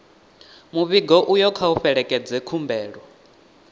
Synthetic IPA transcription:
muβiɡɔʔujɔkʰauɸɛɺɛkʼɛd͡zɛkʰumbɛːɺwɔ

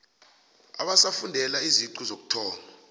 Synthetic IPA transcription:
a̰ɓasafundʱɛlaiziǀuzok̬u̥tʰɔːna

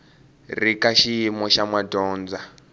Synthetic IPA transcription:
rikaʃiimɔʃamwadɔːnd͡za

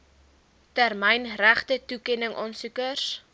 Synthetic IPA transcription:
tærmɛjnræχtətukɛnəŋʔɑːnsukərs

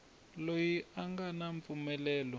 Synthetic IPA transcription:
lojiaŋɡanaɱp̪fumɛlɛːlɔ

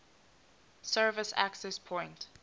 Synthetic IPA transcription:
sɜːvɪsa̰ksɛspʰɔ̃ɪ̃nt

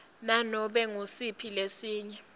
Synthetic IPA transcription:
nanɔɓɛŋusipʰilesiːɲɛ

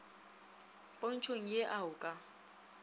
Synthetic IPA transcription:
pʼon̩t͡ʃʰoŋ̩jeʔaʊkʼa

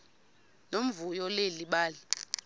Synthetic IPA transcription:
nom̩vujɔleliɓaːli

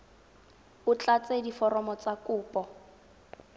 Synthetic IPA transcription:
ʊt͡ɬat͡sedifɔrɔmɔt͡sakʊːpʼɔ

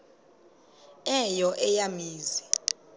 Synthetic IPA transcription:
ɛjɔʔɛjamiːzi

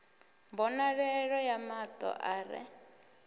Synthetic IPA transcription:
mbɔnaɺɛɺɔjamat̪ʼɔ̰ʔaːɾɛ̰

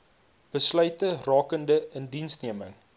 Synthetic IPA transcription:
b̥əslœɥtərɑːkəndəəndinsniəməŋ

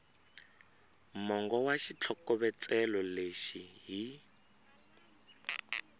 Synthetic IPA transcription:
mɔŋɡɔwaʃit͡ɬʰɔkɔβɛt͡sɛlɔleʃiɦi

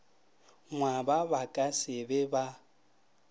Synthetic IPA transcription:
ŋwabaβakʼasɪbɛba

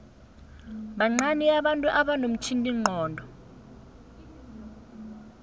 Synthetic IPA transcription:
ɓaŋ͡ǀaniaɓantʼuʔaɓanom̩t͡ʃʰintʼiŋ͡ǃʱɔːndʱɔ

